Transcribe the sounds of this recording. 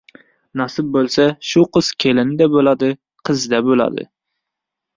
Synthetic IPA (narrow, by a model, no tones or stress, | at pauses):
nɑsɨp̚bolˠsɛʃuqʰəz̥kʲʰelɪnɪd̪ɛbolˠɑd̪ɨ | qʰɨzd̪ɛbolˠɑ̰d̪ɨ̰